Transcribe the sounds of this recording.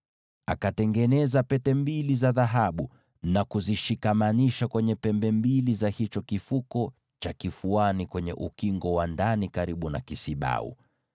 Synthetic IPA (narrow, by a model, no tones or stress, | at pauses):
akatɛŋɡɛnɛzapɛtɛmbilizaðaɦaɓu | nakuziʃikamaniʃakwɛɲɛpɛmbɛmbilizahit͡ʃɔkifukɔ | t͡ʃakifuanikwɛɲɛ̰ʔukiŋɡɔwandanikaɾiɓuna̰kisiɓa̰ṵ